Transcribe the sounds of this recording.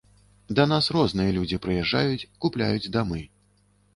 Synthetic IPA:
d̪ɐnasrɔznɨjɐlʲud͡zʲipɾɨjɛʐːa̰jut͡sʲkuplʲa̰jud͡zʲd̪amɨ

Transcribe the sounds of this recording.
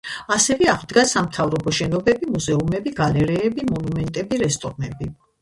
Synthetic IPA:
asɛvɛaʁd̪ɡasamt̪ʰavɾɔbɔʃɛnɔbɛbimuzɛumɛbiɡalɛɾɛːbimɔnumɛnt̪ʼɛbiɾɛst̪ʼɔɾmɛbi

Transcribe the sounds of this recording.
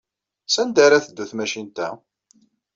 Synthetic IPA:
sænd̪aɾæθəd̪ːæθmæʃint̪æ̰

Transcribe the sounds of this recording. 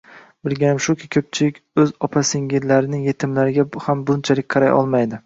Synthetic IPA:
bɪlɡʲanɪmʃʊkʲʰɪkʲʰɵp̚t͡ʃʰɪlɪkʲɵzɒpʰasɪŋɡʲɪɾlːaɾɪnɪŋje̞t̪ʰɪmlaɾɪɡʲaʊhambʊnt͡ʃʰalɪk̚ʲqʰɑɾajʔɒ̰lˠmajd̪ɪ

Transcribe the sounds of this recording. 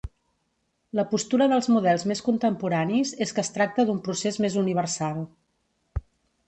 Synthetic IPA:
ləpust̪uɾəðəlˠzmuðɛlˠzmeskunt̪əmpuɾanizeskəːst̪ɾak̚t̪əðumpɾusezmezuniβ̞əɾsalˠ

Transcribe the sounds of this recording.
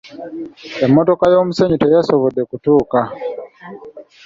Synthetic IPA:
emːoto̞kajoːmuse̞ɲitejasoβodekutuːka

